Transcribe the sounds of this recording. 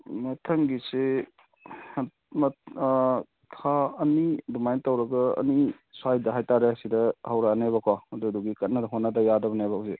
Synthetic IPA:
mɐtʰɐŋɡise | mɐ | tʰaɐnidumajntawɾɐɡɐɐ̰ni | sajdɐɦajtaɾesidɐhawɾanajbɐkʰaɐduɐduɡikɐt̚nɐdɐɦot̚nɐdɐjadɐbɐnajbɐse

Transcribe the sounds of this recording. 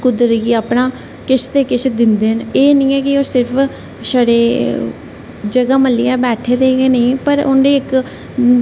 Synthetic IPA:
kʊd̪əɾɡiːaːpnãː | kɪʃʰt̪eːkɪt͡ʃʰd̪ɪnd̪eːɦneːnĩːɛːkɪoːsɪɾpʰ | səɽeː | d͡ʒəɡaːməlːiːaːbɛːʈʰeːd̪eːɡeːnəĩːpəɾʊ̰ɳɖeːɪk

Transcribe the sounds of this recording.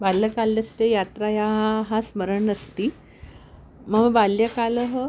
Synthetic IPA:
balːəkalːəst̪ejat̪ɾajaɦaɦasməɾəɳəst̪i | məbaljəkaləɦə

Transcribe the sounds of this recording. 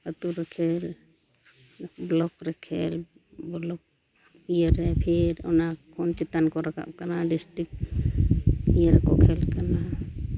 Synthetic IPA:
ət̪uɾɛkʰɛl | blɔkɾɛkʰɛ̰l | bɔlɔk̚ | ijəɾɛpʰeɾɔnakʰont͡ʃɛt̪ankɔɾakʰa̰p̚kanaɖisʈɾik̚ | ijəɾkɔkʰɛlkana

